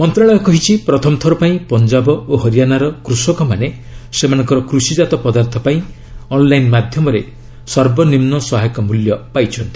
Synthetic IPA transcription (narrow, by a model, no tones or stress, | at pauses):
mɔnt̪ɾaɭɔjɔkɔɦit͡ʃʰipɾɔt̪ʰɔmt̪ʰɔɾɔpaĩpɔnd͡ʒabɔoɦɔɾijanaɾɔkɾusɔkɔmane | semanɔŋkɔɾɔkɾusid͡ʒat̪ɔpɔd̪aɾt̪ʰɔpaĩ | ɔnlajnmad̪ʱjɔmɔɾe | sɔɾbɔnimnɔsɔɦajkɔmuljɔpajt͡ʃʰɔnt̪i̥